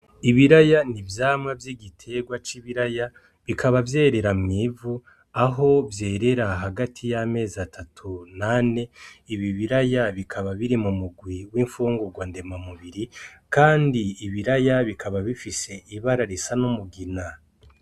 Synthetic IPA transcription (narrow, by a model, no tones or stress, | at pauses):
iβiɾajanivjaːmŋavjiɡitʰe̞ɡwat͡ʃiβiɾaja | βikʰaβavjeːɾe̞ɾamŋiːvu | aɦo̞vje̞ːɾe̞ɾaɦaɡatʰijame̞ːzatʰatʰunane̞iβiβiɾajaβikʰaβaβiɾimumuɡwiwiɱfuːŋɡuɡwande̞mamuβiɾikaːndiːβiɾajaβikʰaβaβifise̞ʔiβaɾaɾisanomuɡina